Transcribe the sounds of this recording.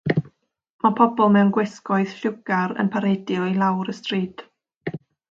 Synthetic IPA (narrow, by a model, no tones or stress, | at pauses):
mapʰɔbɔlˠmɛwnɡwɛskɔɨθɬʊɡaɾə̰npʰaɾejdjɔilˠawɾəstriːd̥